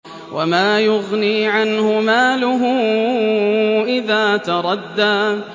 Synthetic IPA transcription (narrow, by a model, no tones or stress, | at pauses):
wʔamaːjʊɣniːʕanhʊmaːlʊɦʊː | ʔɪðaːt̪ɑɾˤɑd̪ːaː